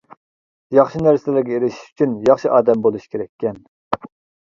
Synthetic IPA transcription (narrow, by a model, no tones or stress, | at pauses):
jɑχʃinæɾsɪlæɾɡʲɛeɾɪʃi̥ʃy̥t͡ʃʰynjɑχʃiʔɑːd̪ɛmbolˠuʃkʲʰeɾɛkʲːɛn